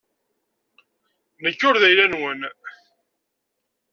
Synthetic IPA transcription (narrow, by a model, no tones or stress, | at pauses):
nəkːʊɾðæjlænwən